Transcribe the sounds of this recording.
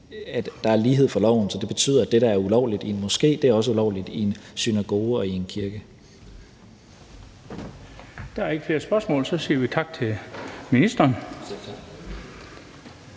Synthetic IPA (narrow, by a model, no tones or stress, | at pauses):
æd̥d̥ɑ̈æɐliːɦe̝ð̞̰ˠfɒ̽lɒʊ̰n̩sɒ̽d̥e̝b̥e̝t͡sʰy̰ːð̰ˠɐæd̥eɾ̥ɑ̈æɐulɒʊlid̥inmɒ̽sɡ̥e̝̰ːd̥eæɐɒ̽s̬əulɒʊ̰lid̥iensynæɡ̥o̝ːɒ̽ie̝nkʰiɐɡ̥ə | d̥ɑ̈æɐe̝ɡ̥əfle̝ɐsb̥ɶɐsmɔ̰ːlsɒ̽siːɐʋit͡sʰɑ̈ɡ̥̚t͡sʰe̝minisd̥ɐːn